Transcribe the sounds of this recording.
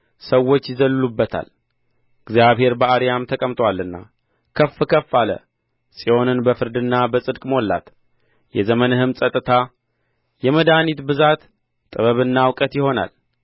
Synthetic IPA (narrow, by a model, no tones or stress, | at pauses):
səwːo̞t͡ʃːjɪzəlːɨlubːət̪ʰa̰l | ɨɡzjaβhe̞ɾbəaɾijamt̪ʰəkʼəmt̪ʰʼwalːɨnːa̰ | kʰəfːɨkʰəfːalə̰ | sʼijo̞nɨnbəfɨɾd̪ɨnːabəsʼɨd̪kʼmo̞lːa̰t̪ | jɛzəmənɨhɨmsʼət̪ʼːɨt̪ʰa | jɛməd̪anit̪bɨzat̪ʼ | ɨβəβɨnːawkʼət̪jɪho̞na̰l